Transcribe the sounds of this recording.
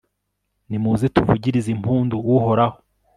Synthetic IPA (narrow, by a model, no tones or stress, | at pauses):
nimuːzetuvuɟiɾizimuːnduwuho̞ɾaho